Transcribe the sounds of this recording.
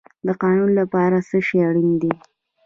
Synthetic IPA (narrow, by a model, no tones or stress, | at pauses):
d̪əqɑnunlapɑɾasəʃeaɽind̪i